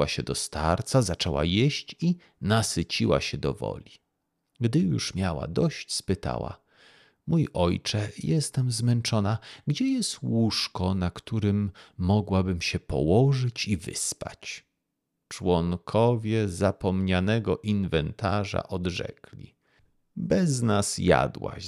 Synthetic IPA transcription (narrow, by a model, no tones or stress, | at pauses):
aɕɛd̪ɔst̪aɾt̪sazat͡ʂɛwa̰jɛɕt͡ɕi | nasɘt͡ɕiwa̰ɕɛd̪ɔvɔ̰lʲi | ɡd̪ɘjṵʂmʲjawa̰d̪ɔɕt͡ɕspɘt̪a̰wa̰ | mujʔɔjt͡ʂɛjɛst̪ɛmzmɛnt͡ʂɔnaɡd͡ʑɛjɛst̪wuʂkɔnakt̪uɾɘmːɔɡwabɘmɕɛpɔ̰wɔʐɘt͡ɕivɘ̰spat͡ɕ | t͡ʂwɔŋkʰɔvʲjɛzapɔmɲanɛɡɔʔinvɛnt̪ʰaʐa̰ʔɔd̪ʐɛ̰klʲḭ | bɛznasja̰d̪wa̰